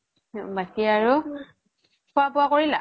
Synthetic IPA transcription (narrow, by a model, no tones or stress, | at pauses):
bakiaɹu | pʰʊapʊakoɹila